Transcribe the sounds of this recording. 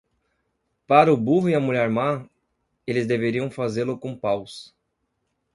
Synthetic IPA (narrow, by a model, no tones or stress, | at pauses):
paɾɐʊbuɦʊɪɐmuʎɛɾma | elɪzd̪eveɾiɐ̃w̃fazeɾlʊkõpaws